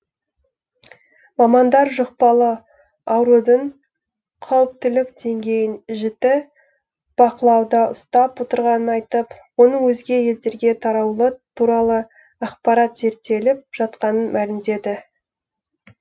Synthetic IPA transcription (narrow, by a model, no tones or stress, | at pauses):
mɑmɑnd̪ɑɾʒoqpɑlˠə | ɑwɾud̪əɴ | qʰɑwəp̚t̪ɪlɪkd̪e̞ŋɡʲe̞jɪnʒɪt̪ɪ | b̥ɑqəlˠɑwd̪ɑʊst̪ɑpwo̞t̪əɾʁɑnənɑjt̪əpwo̞nəŋwɵzɡʲe̞je̞ld̪e̞ɾɡʲe̞t̪ʰɑɾɑwlˠət̪ʰuɾɑlˠə | ɑqpɑɾɑt̪ze̞ɾt̪ːe̞lɪp̚ʒ̥ɑt̪qɑnənmʔælɪmd̪e̞d̪ɪ